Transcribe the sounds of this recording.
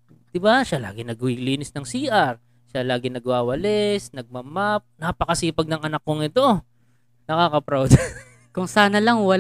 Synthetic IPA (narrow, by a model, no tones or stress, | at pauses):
d̪̥ɪbaʃala̰ːɡɪnɐɡiliːnɪsnɐŋsiːʔɐɾ | ʃalaːɡɪnɐɡwaːwɐlɛsnɐɡ̚mɐmap̚napɐkɐsiːpɐɡ̚nɐŋʔɐnakːoŋɪt̪o̞ | nɐkaːkɐpɾawd̪ | kʊŋsaːnɐlɐŋwɐ